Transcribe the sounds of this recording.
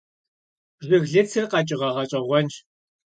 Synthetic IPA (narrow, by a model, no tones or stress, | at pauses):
zɨɣɮɨt͡sʰɨrqɐt͡ʃʼɪʁɐʁɐɕʼɐʁʷɔnt͡ʃ